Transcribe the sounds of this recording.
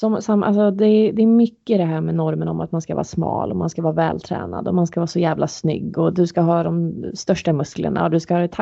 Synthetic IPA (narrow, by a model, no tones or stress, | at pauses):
sɔmsamːʔa̰lsɔd̪ɛd̪ɛːɾmʏkːəɪd̪ɛɦæːɾmɛnɔɾmənɔmʔa̰t̪manskavɑ̰ːɾsmɑ̰ːlɔmanskavɑːvɛ̰ːlt̪ʰɾɛ̰ːna̰d̪ɔmanskavɑːsɔjæːvlʔasnʏ̰ɡːɔd̪ɵskaɦɑːd̪ɔmst̪œʂʈamɵsklə̰ɳa̰ɔd̪ɵskahɑːɪt̪ʰ